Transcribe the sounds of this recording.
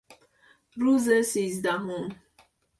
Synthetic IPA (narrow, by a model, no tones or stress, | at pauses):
ɾuzesizd̪aɦom